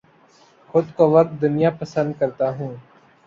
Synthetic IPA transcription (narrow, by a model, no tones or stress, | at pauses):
xʊd̪koːʋək̚t̪̚d̪ʊnɪjapəsə̃nd̪̚kəɾt̪aːɦũː